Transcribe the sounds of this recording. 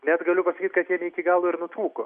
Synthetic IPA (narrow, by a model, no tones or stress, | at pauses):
nʲɛt̪ɡɐlʲʊpɐsɐkʲiːt̪kɐt̪jiɛnʲɛɪkʲɪɡɑːlˠoːɪɾnʊt̪ɾuːko̰ː